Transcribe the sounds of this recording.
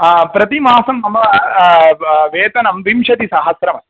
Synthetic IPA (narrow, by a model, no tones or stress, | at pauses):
pɾɐt̪imaːsɐmnɐmɐɐ | ʋeːt̪ɐnɐmʋimʂɐt̪isaːɦɐsɾɐmɐ